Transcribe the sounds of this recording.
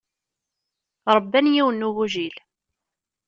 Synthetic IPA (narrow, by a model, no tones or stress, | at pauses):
ɾˤəbːænjiwənːuɣuʒil